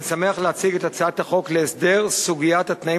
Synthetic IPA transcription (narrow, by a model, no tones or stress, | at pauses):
same̞aχleat͡siɡe̞t̪at͡saat̪haχo̞kleːsd̪e̞ʁsuɡijat̪hat̪nai